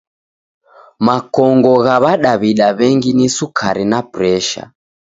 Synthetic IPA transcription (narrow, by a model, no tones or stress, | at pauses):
makɔŋɡɔɣaβaɗaβiɗaβɛŋɡinisukʰaɾinapɾɛʃa̰